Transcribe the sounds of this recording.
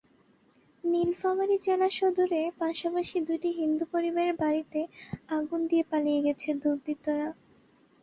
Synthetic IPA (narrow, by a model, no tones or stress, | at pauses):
nilfamaɾid͡ʑelaʃod̪uɾepaʃapaʃid̪ujʈiɦind̪upoɾibeɾbaɾit̪eaɡund̪ijepalijeɡɛt͡ɕʰed̪uɾbʱit̪ːoɾa